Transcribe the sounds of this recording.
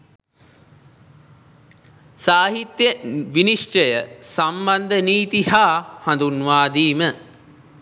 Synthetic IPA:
saːɦit̪jəʋiniʂʈəjəsamband̪əniːt̪ihaːhand̪unʋaːd̪iːmə

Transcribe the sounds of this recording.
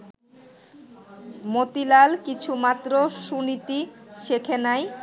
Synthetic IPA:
mot̪ilalkit͡ɕʰumat̪ːɾoʃunit̪iʃekʰenaj

